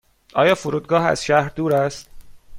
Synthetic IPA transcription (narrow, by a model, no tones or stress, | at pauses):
ʔɒːjɒːfoɾuːd̪̚ɡɒːɦæ̰z̥ʃæhɾd̪uːɾæst̪̚